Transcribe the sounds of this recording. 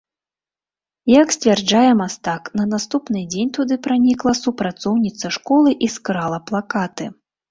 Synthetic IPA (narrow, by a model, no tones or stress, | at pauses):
jaksʲt͡sʲvʲard͡ʐajɛmast̪aknɐnast̪upnɨd͡zʲenʲt̪ud̪ɨpɾanʲiklˠɐsupɾat̪sɔwnʲit̪sɐʂkɔlˠɨʔiskɾalˠɐplˠakat̪ɨ